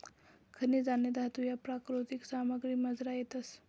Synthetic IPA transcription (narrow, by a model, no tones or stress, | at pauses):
kʰəniːd͡zanjed̪at̪ujapɾakɾut̪iksaməɡɾiːməd͡zɾajet̪əs